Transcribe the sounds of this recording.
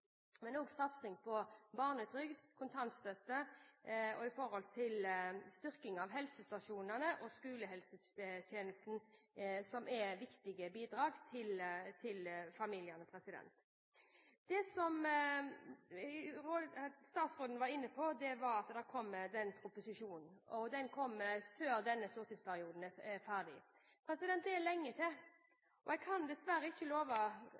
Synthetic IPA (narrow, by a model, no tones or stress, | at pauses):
mɛnoːɡsɑt̪sɪŋpʰɔbɑːʁnət̪ʰɾʏɡd̪kʰʊnt̪ʰɑnt̪st̪œt̪ːə | ɔɪfɔɾhɔlt̪ʰɪlst̪ʏɾkɪŋɑʋɦɛlsəst̪ɑʃuːnənəʔɔskʉːləɦɛlsət̪ʰjeːnəst̪n̩sɔmʔɛʋɪkt̪ɪɡəbiːd̪ɾɑːɡt̪ʰɪlt̪ʰɪlfɑmiːljənəpʰɾɛsɪd̪ɛ̰nt̪ | d̪̥ɛsɔm | ɾost̪ɑːt̪sʁoːd̪n̩ʋɑɾɪnːəpʰɔd̪ɛʋɑɾɑt̪d̪ɛkʰɔmːd̪ɛnpʰɾʊpʊsɪʂuːnn̩ɔd̪ɛnkʰɔmːəføːɾd̪ɛnːəst̪uːɾt̪ɪːspʰæɾɪuːd̪n̩ɛfæʁd̪ɪ | pʰɾɛsɪd̪ɛnt̪d̪ɛɛlɛŋːət̪ʰɛ | ʔɔɛɡkʰɑnd̪ɛsʋæɾəɪçːəloːʋɑ